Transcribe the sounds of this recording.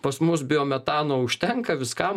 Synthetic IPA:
pɐsmʊs̬bʲɪoːmʲɛt̪ɑːnoːʊʃʲt̪ʲɛŋkɐʋʲɪskɑm

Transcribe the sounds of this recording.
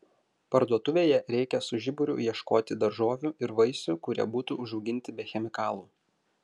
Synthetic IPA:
pɐɾd̪uɔt̪ʊʋʲeːjɛɾʲɛɪkʲɛsʊʒʲɪbʊɾʲʊ̰jiɛʃkoːt̪ʲɪd̪ɐɾʒoːʋʲuːɪɾʋɐɪsʲukʊɾʲḭɛbuːt̪uʊʒɐʊɡʲɪnʲt̪ʲɪbʲɛxʲɛmʲɪkɑːlˠuː

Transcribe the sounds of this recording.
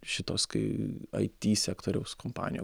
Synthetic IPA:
ʃʲɪt̪oːskɐɪɐ̰ɪt̪ʲiːsʲæːkt̪oːɾʲɛʊskompɑ̰ːnʲɪ̰jo̰

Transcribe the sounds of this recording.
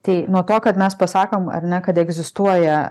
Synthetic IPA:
t̪ɐɪnuɔt̪oːkɐt̪mʲɛspɐsɑːkomɐ̰ɾnʲɛkɐt̪ɛɡzʲɪst̪uɔjɛ

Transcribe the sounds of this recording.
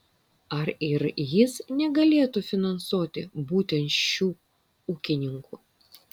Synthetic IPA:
ɐɾɪɾjɪsnʲɛɡɐlʲeːt̪ufʲɪnɐnsuːt̪ʲɪbuːt̪ʲɛnʲʃʲuː | uːkʲɪnʲɪŋkuː

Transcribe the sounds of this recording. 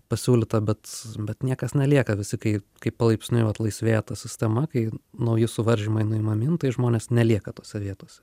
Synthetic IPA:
pɐsʲuːlʲɪt̪ɐbʲɛt̪bʲɛt̪nʲiɛkɐsnʲɛlʲiɛkɐʋʲɪsʲɪkɐɪkɐɪpɐlˠɐɪpʲsʲnʲʊɪʋɐt̪lˠɐɪsʲʋʲeːjɛt̪ɐsʲɪsʲt̪ʲɛmɐkɐɪnɐʊjɪsʊʋɐɾʲʒʲɪmɐɪnʊimɐmʲint̪ɐɪʒmoːnʲeːsnʲɛlʲiɛkɐt̪oːsʲɛʋʲiɛt̪oːsʲɛ

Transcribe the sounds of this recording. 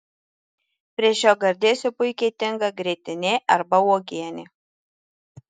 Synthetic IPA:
pʲɾʲiɛʃʲoːɡɐɾʲd̪ʲeːsʲʊpʊɪkʲɛɪt̪ʲɪŋɡɐɡɾʲeːt̪ʲɪnʲeʔɐɾbɐoːɡʲiɛnʲɪ

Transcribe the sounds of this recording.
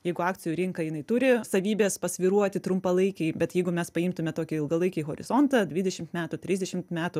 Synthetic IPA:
jɛɪɡʊɑːk̚t͡s̪ʲɪjuːɾʲɪŋkɐjɪnɐɪt̪ʊɾʲɪsɐʋʲiːbʲeːspɐsʲʋʲiːɾuɔt̪ʲɪt̪ɾʊmpɐlˠɐɪkʲɛɪbʲɛt̪jɛɪɡʊmʲɛspɐɪmt̪ʊmʲɛt̪oːkʲɪɪlˠɡɐlˠɐɪkʲɛɪɦoːɾʲɪ̰z̥ont̪ɐdʲʋʲɪd̪ʲɛʃʲɪmt̪mʲæːt̪ʊt̪ʲɾʲɪzʲdʲɛʃʲɪmt̪mʲæːt̪ʊ

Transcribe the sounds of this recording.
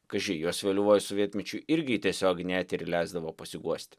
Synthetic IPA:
kɐʒʲɪjuɔsʋʲeɛlʲʊʋoːjʊsʊʋʲiɛt̪ʲmʲɛt͡ʃʲʊɪɾʲɡʲɪt̪ʲiɛsʲoːknʲæt̪ʲɪɾlʲɛɪzd̪ɐʋoːpɐsʲɪɡuɔsʲt̪ʲ

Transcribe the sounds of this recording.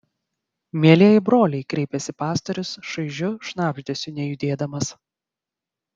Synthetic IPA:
mʲiɛlʲiɛjɪbɾoːlʲɛɪkɾʲɛɪpʲɛsʲɪpɑːst̪ɐɾʲʊsʃɐɪʒʲʊʃnɑːbʲʒʲd̪ʲesʲʊnʲɛjʊd̪ʲeːd̪ɐmɐs

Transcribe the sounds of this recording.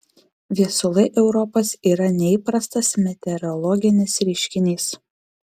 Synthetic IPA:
ʋʲiɛsʊlˠɐɪʔɛʊɾɔposiːɾɐnʲɛiːpɾɐst̪ɐsmʲɛt̪ʲɛɾɔlˠɔɡʲɪnʲɪsɾʲɪʃʲkʲɪnʲiːs

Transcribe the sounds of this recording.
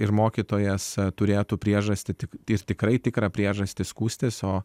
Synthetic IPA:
ɪɾmoːkʲiːt̪oːjɛst̪ʊɾʲeːt̪uːpʲɾʲiɛʒɐsʲt̪ʲɪt̪ʲɪkɪɾt̪ʲɪkɾɐɪt̪ʲɪkɾɐpʲɾʲiɛʒɐsʲt̪ʲɪskuːsʲt̪ʲɪsoː

